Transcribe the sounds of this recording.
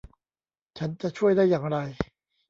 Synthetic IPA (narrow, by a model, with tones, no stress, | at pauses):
t͡ɕʰa˦˥nt͡ɕa˨t͡ɕʰu˥˩əjdaː˥˩jːaː˨˩ŋɾa˧j